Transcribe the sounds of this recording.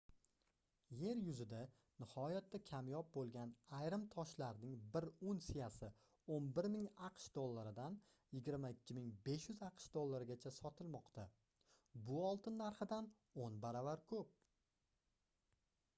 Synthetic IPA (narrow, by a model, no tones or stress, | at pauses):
je̞ɾjʊzɪd̪a | nɪhɒjat̪ːakʲʰamjɒp̚bolˠɡʲanajɾɪmt̪ʰɒʃlaɾnɪŋbɪɾunsijasɪ | onbɪɾmɪŋɑqʃd̪olˠːaɾɪd̪an | jɪɡʲɪɾmaɪkʲʰːɪmɪŋbe̞ʃjʊzɑqʃd̪olˠːaɾɪɡʲat͡ʃʰasɒt̪ʰɪlmɒqt̪ʰa | bʊɒlˠt̪ʰɪnːaɾχɪd̪an | onbaɾavaɾkʰɵp̚